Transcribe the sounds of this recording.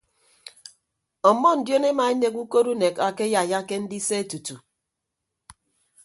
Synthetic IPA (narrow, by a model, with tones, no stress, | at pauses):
ɔ˨mɔ˦n̩˨djo˦ne˦ma˨e˦ne˨ku˦ko˦ɾu˦ne˨ka˨ke˦ja˨ja˦ke˦n̩˦di˦se˦e˦tu˨tu˨